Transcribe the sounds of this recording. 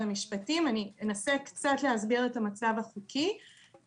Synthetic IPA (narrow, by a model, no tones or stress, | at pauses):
amiʃpatimanienasekt͡satleɦazbiʁetamat͡savaχukʰi